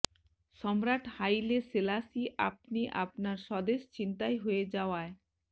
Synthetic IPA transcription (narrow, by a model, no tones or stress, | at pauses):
ʃɔmɾaʈhajleselasiʔa̰p̚niʔapnaɾʃɔd̪eʃt͡ɕint̪ajɦoed͡ʑaoae